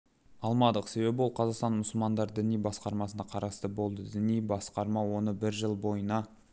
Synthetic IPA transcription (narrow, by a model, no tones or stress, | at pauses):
ɑlˠmɑd̪əqse̞βe̞bɪwolˠqʰɑzɑqst̪ɑnmʊsəlˠmɑnd̪ɑɾd̪ɪnijbɑsqɑɾmɑsənɑqʰɑɾɑst̪əbo̞lˠd̪əd̪ɪnijbɑsqɑɾmɑwo̞nəbɪɾʒəlˠbo̞jənɑ